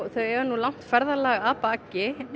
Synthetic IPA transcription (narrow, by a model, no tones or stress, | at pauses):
θœɥɛɾnulaŋ̥t̪fɛɾðalaːɣaðpaːcɪ